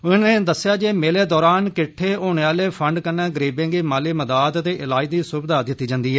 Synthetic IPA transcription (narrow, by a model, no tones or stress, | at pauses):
ʊnẽːd̪əsɪjaːd͡ʒeːmeːleːd̪ɔːɾaːnkɪʈʰːeːoːɳ̃eːaːleːpʰəɳɖkənːɛːɡəɾiːbẽːɡeːmaːliːməd̪aːt̪t̪eːʔɪlaːiːd̪iːsʊbd̪aːd̪ɪt̪ːiːd͡ʒãːnd̪iːɦɛː